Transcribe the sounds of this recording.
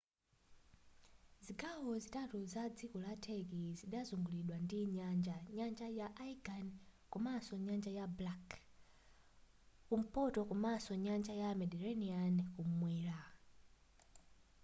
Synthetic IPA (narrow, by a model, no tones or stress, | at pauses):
ziɡawɔzitatuzad͡zikɔlatʰɛkiziɗazuŋɡuliɗwandiɲand͡ʒaɲand͡ʒajaʔaiɡankumasɔɲand͡ʒajablak | kum̩pɔtɔkumasɔɲand͡ʒajamɛdiɾɛniankumwɛːɾa